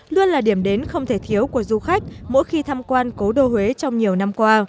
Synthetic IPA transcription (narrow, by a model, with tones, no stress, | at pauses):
lu˧ənlaː˨˩ɗi˧˩əmɗe˨˦nxə˧wŋ͡mt̪ʰe˧˩t̪ʰi˨˦əwku˧˩əzu˧xa˦˥jk̟̚mo̰˧˥jxi˧t̪ʰaː˧mkwaː˧nko˨˦ɗo˧hwe˨˦t͡ɕɔ˧wŋ͡mɲi˨˩əwna˧mkwaː˧